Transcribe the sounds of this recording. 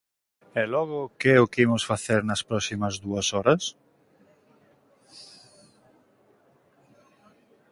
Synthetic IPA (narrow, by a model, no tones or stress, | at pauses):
ɛlɔɣʊkeɛʊkimʊsfaθeɾnɐspɾɔsimɐzðuɐsɔɾɐs